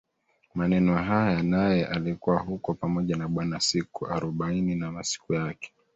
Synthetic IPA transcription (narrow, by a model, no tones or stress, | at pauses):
manɛnɔɦajanajɛʔalikuwaɦukɔpamɔʄanaɓwanasikuaɾɔɓaininamasi̥kujakɛ̥